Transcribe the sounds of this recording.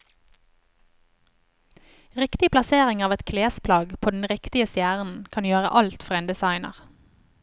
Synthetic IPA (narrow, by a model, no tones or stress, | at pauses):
ʁɪkt̪ɪplɑseːʁɪŋɑːʋɛt̪kʰleːspʰlɑːɡpʰoːd̪n̩ʁɪkt̪ɪəst̪jæːʁn̩kʰɑnjøːʁə̰ʔɑlt̪fɔʁeːnd̪ɛsɑɪnə̰ʁ